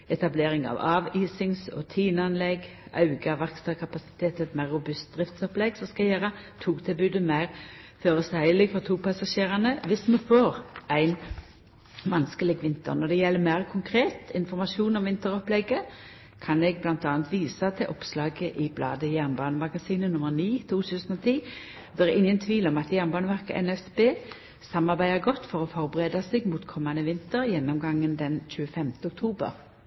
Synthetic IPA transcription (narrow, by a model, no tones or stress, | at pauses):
ɛt̪ɑbleːɾɪŋɑ̰ʋɑːʋiːsɪŋsɔ̰t̪ʰiːnəɑnlɛɡ | ɑ̰ʉɡɑʋɑkst̪ɑkʰɑpɑsɪ̥t̪ʰeːt̪ʰɛt̪mæɪʁːʊbʉst̪̚d̪̥ʁɪft̪sɔplɛɡsɔmskɑɛjeːɾɑt̪ʰuːkt̪ʰɪlbʉːd̪əmæɪʁføːɾəsæɪlɪɡfɔʁt̪ʰuːpʰɑsɑʃeːʁɑnəʋɪsmɛfoːɾʔæɪn | ʋɑnskəlɪɡʋɪnt̪ə̰ɾnɔd̪ɛjɛlːəmæɪʁkʰʊŋkʰʁeːt̪ɪnfɔʁmɑʃuːnɔmʋɪnt̪əɾɔplɛɡə | kʰɑnɛɡ̚blɑnt̪ɑːnt̪ʋiːsɑt̪ʰɪlʔɔpslɑːɡəʔɪblɑ̰ːd̪əjæʁnbɑːnəmɑɡɑsiːnənʊmːəʁniːt̪ʰuːt̪ʰʉːsənɔt̪ʰiː | d̪ɛæɾɪŋːənt̪ʰʋiːlɔmɑt̪jæʁnbɑːnəʋæʁkə̰ʔɛ̰nɛsbeː | sɑmɑʁɾbæɪəɡɔt̪ːfɔʁɔfɔɾbəʁeːd̪ɑseɡmuːt̪kʰɔmːɑnəʋɪnt̪əɾjɛnːɔmɡɑŋːənd̪ɛnɕʉːəfɛmt̪əʊk̚t̪ʰuːbə̰ʁ